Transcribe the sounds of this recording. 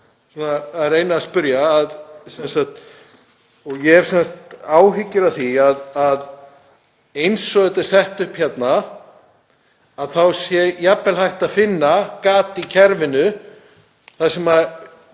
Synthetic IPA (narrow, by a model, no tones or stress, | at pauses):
sɔːnaɾejnaːspʏɾjaːðsɛnsat̪ | ɔɣjɛɾ̥sɛnst̪aːwɦɪcːʏɾaθiaðað | ejnsɔɣɛt̪ḁsɛht̪ʏhpçjɛt̪na | aðθawsjɛjapːɛlhajht̪aðfɪnːakaːt̪icʰɛɾvɪnʏ | θasɛma